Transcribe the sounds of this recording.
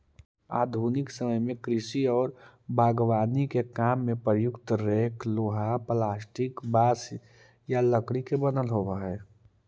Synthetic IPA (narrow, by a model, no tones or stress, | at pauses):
a̰ːd̪ʱuːnɪksəməjmẽkɾɪsiɔːɾ | bʱaːɡwaːnikekaːmːẽpɾəjʊkt̪ɾeːkʰloːɦaplaːsʈɪkbaːs | jaləkɽikebənəlɦoːʋaɦɛː